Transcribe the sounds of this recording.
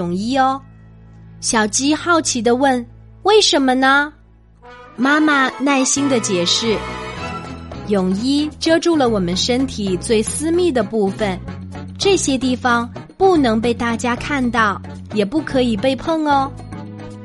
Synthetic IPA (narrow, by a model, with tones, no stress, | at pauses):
ʊ˨˩ŋi˥ə˧ | ɕjɑ˨˩ʊt͡ɕi˥xɑ˥˩ʊt͡ɕʰi˧˥d̪ə˧wə˥˩nwe˥˩ɪʂə˧˥nmə˧nə˧ | ma˥ma˨na˥˩ɪɕi˥nd̪ə˨t͡ɕjɛ˨˩ʂɻ̩˥˩ | jʊ˨˩ŋi˥ʈ͡ʂɤ˥ʈ͡ʂu˥˩lə˩wɔ˨˩mə˦nʂə˥nt̪ʰi˨˩t͡swe˥˧ɪsɹ̩˥mi˥˩d̪ə˩pu˥˩fə˩n | ʈ͡ʂɤ˥˩ɕjɛ˥t̪̬i˥˩fɑ˩ŋpu˥˩nɤ˧˥ŋp̬e˥˧ɪt̪a˥˩t͡ɕja˥kʰa˥˧nt̪ɑ˥˩ʊ | jɛ˨˩pu˥˩kʰɤ˧˥i˨˩pe˥˧ɪpʰɤ˥˧ŋə˧